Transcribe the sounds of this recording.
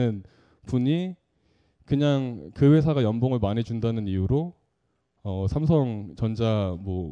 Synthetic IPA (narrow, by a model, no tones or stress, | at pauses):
ɯn | puɲi | kɯɲaŋkɯwe̞s̬ʰaɡajʌnboŋɯɭmaɲid͡ʑundanɯnijuɾo | ʌsʰams̬ʰʌŋt͡ɕʌnd͡ʑamwʌ